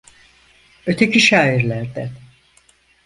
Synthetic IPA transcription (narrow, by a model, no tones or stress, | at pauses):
ø̞t̪ʰecʰiʃaːiɾlʲæɾd̪æn